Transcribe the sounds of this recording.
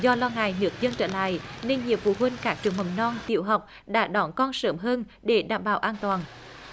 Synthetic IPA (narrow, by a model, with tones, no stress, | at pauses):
zɔ˧lɔː˧ŋa̰ː˧˨jnɨ˦˥ək̚zə˧nt͡ɕə̰ː˧˥la̰ː˧˨jne˧nɲi˨əmfṵ˧˨˩ɦwi˧nkaː˦˥k̚t͡ɕɨ˨˩əŋɦə˨˩wnɔ˧nt̪ḭ˧˨əwɦa˨˩wk͡p̚ | ɗa̰ː˧˥ɗɔ˨˦nkɔ˧nsəː˦mɦəː˧n | ɗe˧˩ɗaː˧˩mɓaː˧˩wʔaː˧nt̪waː˨˩n